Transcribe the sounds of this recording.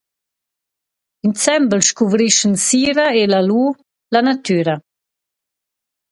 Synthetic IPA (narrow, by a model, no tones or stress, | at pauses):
int͡sɛmbəlʃkuvɾiʃənsiːɾaelaluː | lanat̪yːɾɐ